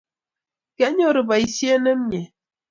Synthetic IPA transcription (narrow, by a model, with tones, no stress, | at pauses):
kɛ˦ɲɔ˦ɾɨ˨ba˨i˨sje˦ne˦m̩˦ɲe˨